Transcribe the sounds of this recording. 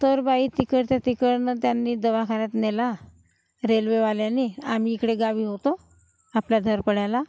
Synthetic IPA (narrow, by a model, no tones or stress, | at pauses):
t̪əɾbaiːt̪ikəɾt̪jat̪ikəɾnət̪janːiːd̪əʋakʰaɾjat̪nela | ɾelʋeʋaljaniːam̤iːkɽeɡaʋiːɦot̪o | apljad̪ʱəɾpəɽajla